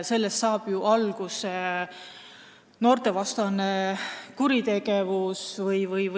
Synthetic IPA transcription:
se̞lːest̪sɑːb̥juʔɑlɡ̥use | no̞ːrt̪e̞vɑst̪ɑnekuɾit̪e̞ɡ̥e̞vusvɯjvɯjv

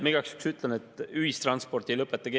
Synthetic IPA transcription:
miɡ̥ɑksy̥ksyt̪ˑlenet̪ːˑyhist̪rɑnspo̞rt̪ilɤpːˑet̪ːɑɡe

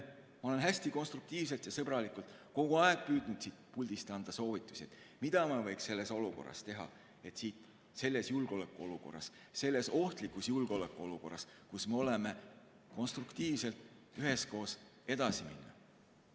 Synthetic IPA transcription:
mɑo̞le̞nɦæsʲt̪iko̞nst̪ɾuk̚t̪iːvse̞lt̪jɑsɤbrɑlikult̪ˑko̞ɡ̥uɑeɡ̥̚pyːd̪̥nud̪̥siːt̪pulʲd̪̥ist̪ɑnd̪̥ɑso̞ːvit̪ːˑu̥sʲiet̪ˑ | mid̪̥ɑmɑvɤjksse̞lːe̞so̞luko̞̰rːɑ̰st̪e̞ɦɑ̰ | e̞t̪siːt̪ | se̞lːe̞sjulɡ̥o̞lekːˑuo̞luko̞̰rːɑ̰s | se̞lːe̞so̞ht̪likːˑusjulɡ̥o̞lekːˑuo̞luko̞̰rːɑskusme̞o̞leme̞ | ko̞nst̪rukt̪iːvse̞lt̪ | yɦe̞sko̞ːs | e̞d̪̥ɑsimḭnːɑ

